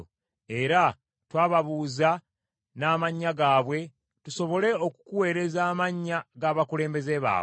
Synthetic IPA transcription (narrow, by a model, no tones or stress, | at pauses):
e̞ɾa | twaːβaβuːza | naːmaɲːaɡaːβwe̞ | tuso̞βo̞le̞o̞ku̥kuwe̞ːɾe̞zaːmaɲːaɡaβakule̞ːmbe̞zeβa̰ː